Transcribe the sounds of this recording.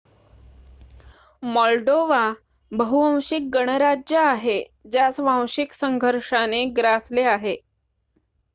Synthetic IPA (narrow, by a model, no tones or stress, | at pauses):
mɔlɖoʋa | bəɦuʋãw̃ɕik̚ɡəɽ̃əɾad͡ʑjəaɦe | d͡ʑjasʋãw̃ɕiksəŋɡʱəɾʂaneɡɾasleaɦe